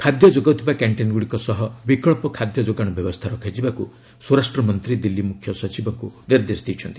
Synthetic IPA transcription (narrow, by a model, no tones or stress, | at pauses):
kʰad̪jɔd͡ʒoɡawt̪ʰibakaɳʈenɡuɽikɔsɔɦɔbikɔɭpɔkʰad̪jɔd͡ʒoɡaɽ̃ɔbjɔbɔst̪ʰaɾɔkʰajd͡ʒibaku | sɔɾasʈɾɔmɔnt̪ɾid̪ilːimukʰjɔsɔt͡ʃibɔŋkuniɾd̪esɔ̥d̪ʱijt͡ʃʰɔnt̪i̥